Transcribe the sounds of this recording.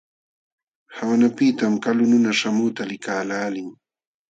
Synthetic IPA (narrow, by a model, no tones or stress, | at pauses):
hawanapɪt̪amkalʊnʊnaʃamʊt̪alɪkaːlaːlɪŋ